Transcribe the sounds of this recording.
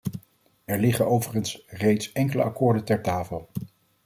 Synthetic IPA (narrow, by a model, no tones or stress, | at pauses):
ɛɹlɪχənowvəχənsrejtsɛŋkələ̰ʔɑ̰kʊːɹdəntɛɹtaːfəlˠ